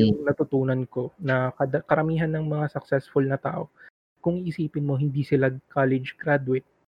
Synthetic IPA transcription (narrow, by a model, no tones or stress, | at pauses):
jʊŋnɐt̪ʊt̪uːnɐnko̞nɐkɐd̪ɐkɐɾɐmiːɦɐnːɐŋmɐŋasɐksɛsfʊlnɐt̪a̰ːʔo̞̰ | kʊŋɪsiːpɪnmoɦɪnd̪isɪlaɡkaːlɪd͡ʒkɾad̪wɪt̪̚